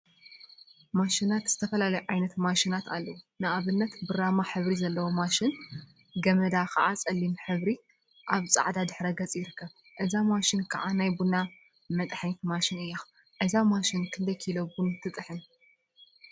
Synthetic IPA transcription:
maʃinat̪z̥ɨ̥t̪ʰɐfɐlalɐjuʕajnɐt̪maʃinat̪alːɐwunɨʔaβɨnːɐt̪bɨɾamaħɨβɾizɐlːɐwomaʃɪn | ɡɐmɐd̪akʰɐʔat͡sʼɐlːimħɨβɾi | ʔaβt͡sʼa̰ʕd̪ad̪ɨħɾɐɡɐt͡sʼijɪɾɨkːɐβ | ʔɨzamaʃɪnkʰɐʕanajbuna | mɐt̪ʼħnit̪maʃɪnɨjːa | ʕɨzamaʃɪnkʰɨnd̪ɐjkʰilobunt̪ʰɨt̪ʼɨħɨn

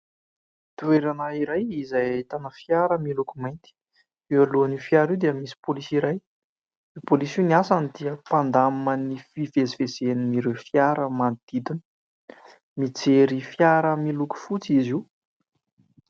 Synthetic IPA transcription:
t̪ueɾanaiɾajizajt̪anəfjaɾəmilukumajnt̪i̥ | ewaluanifjaɾiwd̪eəmisi̥polisiɾaj | ipolisiniasanid̪iəpand̪amənifivezivezenimiɾewfjaɾəmand̪̥id̪inə̥ | mit͡seɾifjaɾəmiluku̥fut͡siziw

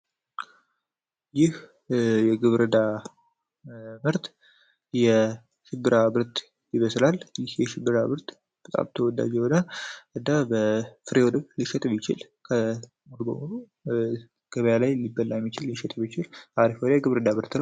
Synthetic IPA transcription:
jɪh | jɛɡɨβɾəd̪a | mɨɾt̪ | jɛ | ʃɪbːɨɾabɨɾt̪ | jɪβəslaljɪhjɛʃɪbːɨɾaβɨɾt̪ | b̥ət̪ʼa̰mt̪ʰəwɔd̪a̰d͡ʒɛwod̪aʔɨd̪abəfɨɾewɔd̪ɨβliʃɛt̪ʼmit͡ʃɪ̰l | kʰə | molbə̰mulu | ɡ̥əβəjalajlibːəlːajɛmːit͡ʃɪliʃɛt̪ʼbit͡ʃɪlaɾifolajɡɨβɾɨd̪amɨɾt̪nəw

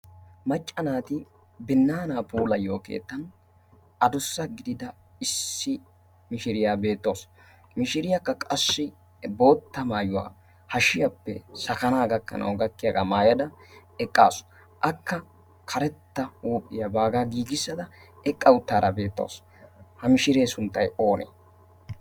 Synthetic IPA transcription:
mɐt͡ʃʼːɐnaːt̪ɪ | bɪnːaːnaːpʰuːlɐjo̞ːkḛːt̪ːɐn | ʔɐd̪ʊsːɐɡɪd̪ɪd̪ɐ | ɪsːɪ | mɪʃɪɾɪjaːbe̞ːt̪ːo̞ːs | mɪʃɪɾɪjɐkːɐkʼɐsːɪ | bo̞ːt̪ːɐmaːjʊwa̰ː | hɐʃɪjɐpːɛ̰sɐkɐnaːɡɐkːɐ̰nʔɐ̰wɡɐkːɪjaɡɐmaːjɐd̪ɐɛkʼːaːsʊ̥ | ʔɐkːɐ | kʰɐɾɛt̪ːɐuːpʼːɪjɐbaːɡaːɡiːɡɪsːɐd̪ɐ | ɛkʼːɐwʊt̪ːaːɾɐbe̞ːt̪ːo̞̰ːs | hɐmɪʃɪɾe̞ːsʊnt̪ːɐjo̞ːnḛː

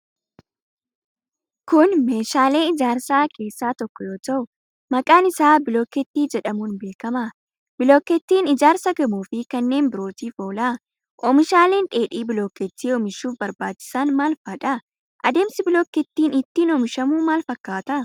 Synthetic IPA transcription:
kʊnme̞ːʃaːle̞ːɪd͡ʒaːɾsaːke̞ːsːaːt̪ɔkːɔjoːt̪ɐʔʊ | mɐkʼaːnɪsaːbɪloːkɛt̪ːiːd͡ʒɛᶑɐmuːnbe̞ːkɐmɐ | bɪloːkːɛt̪ːiːnɪd͡ʒaːɾsɐɡɐmuːfɪkɐnːe̞ːnbɪɾo̞ːt̪iːfo̞ːla | ʔɔmɪʃaːle̞ːnᶑʼe̞ːᶑiːbɪloːkɛt̪ːiːɔmɪʃuːfbɐɾbaːt͡ʃːɪ̥sɐnmaːlfɐːᶑɐ | ʔɐd̪e̞ːmsɪbɪloːkːɛt̪ːiːnɪt̪ːiːnɔmɪʃɐmuːmaːlfɐkːaːt̪ɐ

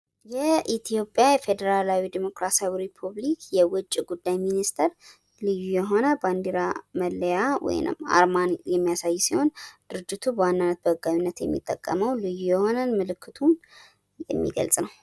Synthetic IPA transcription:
jɛʔit̪ʰijo̞pʼːjajɛfe̞d̪əɾalawid̪imo̞kɾasawiɾipʰuβlikjɛwʊt͡ʃʼːiɡud̪ːajminist̪ʰəɾ | lɨjːujɛɦo̞nəband̪iɾaməlːəjawɔ̰jnɨ̰ma̰ɾmanjɛmːijasajːusiho̞nd̪̥ɨɾɨd͡ʒːɪt̪ʰubəwanːanːət̪̚bəɨɡawinːət̪jɛ̰mːḭt̪ʼːəkʼːəməwlɨjːujɛho̞nəmɨlɨkːɨt̪ʰun | jɛ̰mːḭɡə̰lsʼnəw

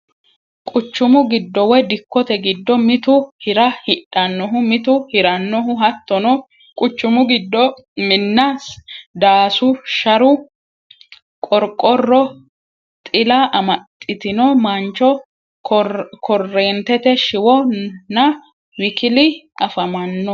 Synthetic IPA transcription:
kʼʊt͡ʃːʊmʊɡɪd̪ːɔwɔjd̪ɪkːɔt̪ɛɡɪd̪ːɔmɪt̪ʊhɪɾɐhɪᶑɐnːɔɦʊmɪt̪ʊhɪɾɐnːɔɦʊɦɐt̪ːɔnɔ | kʼʊt͡ʃːʊmʊɡɪd̪ːɔ | mɪnːɐsd̪aːsʊʃɐɾʊ | kʼɔɾkʼːɔrːɔ | t̪ʼɪlɐʔɐmɐt̪ʼːɪt̪ɪnɔmɐnt͡ʃːɔ | kʰɔrːeːnt̪ɛt̪ɛʃɪwɔnɐ | wɪkɪlɪ | ɐfɐmɐnːɔ

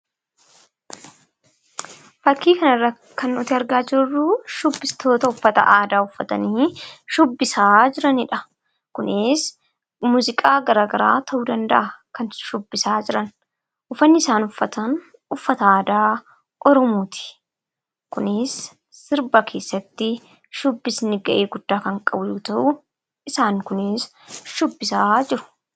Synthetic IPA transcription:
fɐkːiːkɐnɐrːɐ | kɐnɔt̪ɪɐɾɡaːd͡ʒɪɾrːuːʃʊbːɪst̪o̞ːt̪ɐʊfːɐt̪ɐ̰ʔaːd̪aːʊfːɐt̪ɐ̰niːʃʊbːɪsaːd͡ʒɪɾɐnɪᶑɐ | kʊnɪs | muːzɪkʼaːɡɐɾaːɡɐɾa̰ːt̪ʰɐʔuːd̪ɐnd̪ɐʔɐkɐnʃʊbːɪsaːd͡ʒɪɾɐn | ʔʊfɐnːɪɪsaːnʊfːɐt̪ɐn | ʊfːɐt̪ɐaːd̪aː | ʔɔɾɔmuːt̪ʰɪ̥ | kʊnɪsː | ɪɾbɐkʰe̞ːsːɐt̪ːɪ | ʃʊbːɪsnɪɡɐʔeːɡʊd̪̥ːaːkɐŋkʼɐbʊjuːt̪ɐʔʊ | ɪsaːŋkʊnɪs | ʃʊbːɪsaːd͡ʒɪɾʊ̥

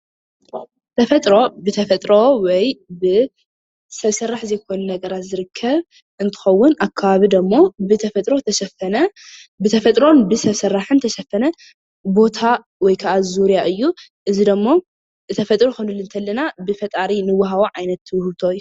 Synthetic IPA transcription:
t̪ʰɐfɐt̪ʼɾo̞bɨt̪ʰɐfɐt̪ʼɾo̞wɔjbɨ | sɐβsɐrːaħzɐjkʰo̞nɐnɐɡɐɾat̪zɨɾɨkʰːɐβ | ʔɨnt̪ʰɨ̥xɐwːʊnakʰːaβaβid̪ɐmːo̞bɨt̪ʰɐfɐt̪ʼɾot̪ʰɐʃɐfnɐbɨt̪ʰɐfɐt̪ʼɾo̞nbɨsɐβsɐrːaħɨnt̪ʰɐʃɐfɐnɐ | bo̞t̪ʰa | wɔjkʰaʔazuɾijaʔɨjːu | ʔɨzid̪ɐmːo | ɨt̪ʰɐfɐt̪ʼɾoxonulɨnt̪ʰɐlːɐnabɨfɐt̪ʼaɾinɨwːaɦaβoʕajnɐt̪ːɨwhɨβt̪ʰoɨjːu

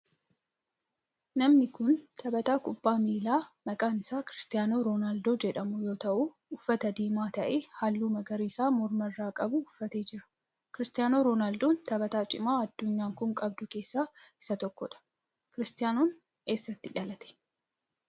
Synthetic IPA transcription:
nɐmnɪkʊnt̪ʰɐbɐt̪aːkʼʊbːaːmiːlaːmɐkʼaːnɪsaːkɪɾɪst̪ɪjaːno̞ːɾoːnaːld̪oːd͡ʒɛᶑɐmʊjo̞ːt̪ɐʔuː | ʊfːɐt̪ɐd̪iːmaːt̪ɐʔeːhalːuːmɐɡɐɾiːsaːmɔɾmɐrːaːkʼɐbʊʊfːɐt̪eːd͡ʒɪɾɐ̥ | kɪɾɪst̪ɪjaːno̞ːɾoːnaːld̪oːnt̪ɐbɐt̪aːt͡ʃʼɪmaːɐd̪ːʊɲːaːŋkʊŋkʼɐb̚d̪ʊke̞ːsːaːɪsɐt̪ɔkːɔᶑɐ̥ | kɪɾɪst̪ɪjaːnoːn | e̞ːsːɐt̪ːɪᶑɐlɐt̪ɛ̥

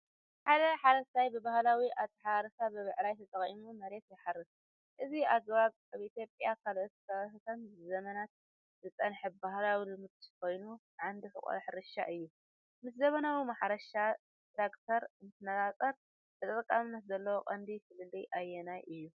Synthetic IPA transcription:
ħad̪ɐħaɾɐst̪ajbɨbahlawiaβt̪ʰːɐħaɾɐsabɨβɨʕlajt̪ʰɐt̪ʼɐχʼimumɐɾe̞t̪jɛħarɨs | ʔɨziaɡβaβ | aβʔit̪ʰjo̞pʼjakʰalʔot̪sʰɐɨsɐmɨszɐmɐnat̪̚ | zɨt͡sʼɐnħɨbahlawilɨmɨt̪kʰʷo̞jnu | ʕand̪ixɨ̰kʼɐ̰ħɨɾɨʃa̰ʔɨjːu | mɨszɐmɐnawimaħɾɐʃa | t̪ɾakt̪ʰɐɾɨnt̪ʰɨnɐt̪ʼat͡sʼɐɾ | t̪ɨt̪ʼt̪ʼɨkʼːamnɐt̪zɐlːɐwoqʼɐnd̪isɨlɨlːɨjʔajːɛnajʔɨjːu

